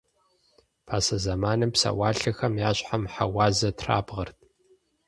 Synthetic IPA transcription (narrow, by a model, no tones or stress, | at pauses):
pʰaːsɐzɐmaːnɨmpsa̰waːɬɐxɐmjaːɕʼħamħa̰waːzɐtʰra̰ːbʁɐrtʰ